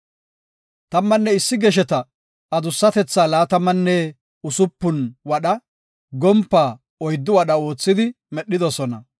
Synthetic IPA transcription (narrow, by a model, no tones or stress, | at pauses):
t̪ɐmːɐnːɛɪsːɪɡɛʃ̬ɛt̪ɐ | ɐd̪ʊsːɐt̪ɛt͡sːaːlaːt̪ɐmːɐnːɛ | ʊsʊpːʊnwɐɗɐ | ɡɔmpːaː | ɔjd̪ːʊwɐɗɐo̞ːt͡sːɪd̪ɪ | mɛɗːɪd̪ɔsɔnɐ